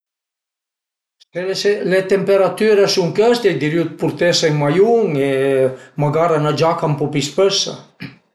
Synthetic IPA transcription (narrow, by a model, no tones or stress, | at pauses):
seselet̪empeɾat̪yɾasuŋkɛst̪ejd̪iɾjut̪̚puɾt̪eseŋmajuŋemaɡaɾanad͡ʒakampɔpispøsa̰